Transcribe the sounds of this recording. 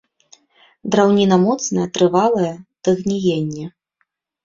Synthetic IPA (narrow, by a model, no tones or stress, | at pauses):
d̪ɾawnʲinɐmɔt̪snɐjɐt̪ɾɨvalˠɐjɛt̪ɨɣnʲijenʲːɛ